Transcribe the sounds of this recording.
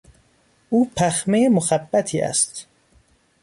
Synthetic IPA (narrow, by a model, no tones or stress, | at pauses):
ʔuːpʰæxmejemoxæbːæt̪ʰiːʔæ̰st̪